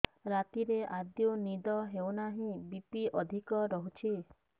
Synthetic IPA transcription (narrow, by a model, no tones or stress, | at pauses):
ɾat̪iɾeʔad̪jonid̪ɔɦewnaɦĩbipiɔd̪ʱikɔɾɔɦut͡ʃʰi